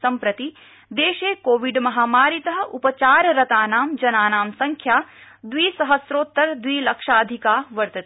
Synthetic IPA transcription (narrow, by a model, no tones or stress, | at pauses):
sɐmpɾɐt̪i | d̪eːʃeːkoːʋiɖmɐɦaːmaːɾit̪ɐɦɐ̆ʔupɐt͡ʃaːɾɾɐt̪aːnaːmd͡ʒɐnaːnaːmsɐŋkʰjaː | d̪ʋiːsɐɦɐsɾoːt̪ːɐɾd̪ʋiːlɐkʂaːd̪ʱikaːʋɐɾt̪ɐt̪ː